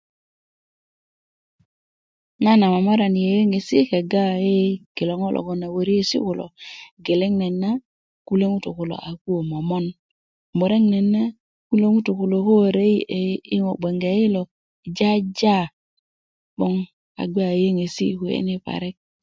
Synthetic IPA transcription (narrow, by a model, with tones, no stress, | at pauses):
na˦na˨ma˨ma˦ɾa˨ni˨je˨je˦ŋe˨si˦kɛ˨ɡa˦˨je˦ɡɪ˨lɔ˨ŋɔ˦lʔɔ̰˨ɡɔ˨na˨wo˨ɾi˦e˦sḭ˦kʊ˨lɔ̰˨ɡe˨le˦ŋnɛ˨nːa˦ | ku˦le˦ŋu˦tu˨kʊ˨lo̰˨ʔa˨ku˦o˨ma˨mɔ˦n | mo˨ɾe˦ŋnɛ˨nːa˦ | ku˦le˦ŋu˦tu˨kʊ˨lo˨ho˦ɾe˦˨˦ɪ˦ŋɔ˨ɡ͡be˨ŋɡe˨ɪ˦lɔ˨ | d͡ʒa˦d͡ʒa˦ | ɓɔ˦ŋ | a̰˨ɡa˦˨je˦ŋe˨sḭ˦ku˨ḛ˦ni˦pa̰˨ɾɛ˦k̚